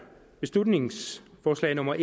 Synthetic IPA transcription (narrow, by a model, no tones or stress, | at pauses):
b̥e̝slud̥ne̝ŋsfɒːslɛ̰ɪnɔ̽mɐʔe